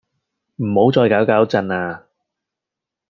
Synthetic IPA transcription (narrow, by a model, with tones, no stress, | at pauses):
m̩˨˩ho˨˥wt͡sɔː˧jkaː˨˥wkaː˨˥wt͡sɐ˧naː˧